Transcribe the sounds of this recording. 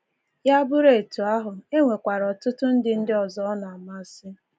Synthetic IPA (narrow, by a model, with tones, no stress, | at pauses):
ja˦bʊ˦ɾe˨tu˨a˦ɦʊ˨e˦ŋʷe˨kʷa˨ɾɔ˨tʊ˦tʊ˦n̩˦dɪ˦n̩˦dɪ˦ɔ˨zɔ˦na˨ma˦sɪ˦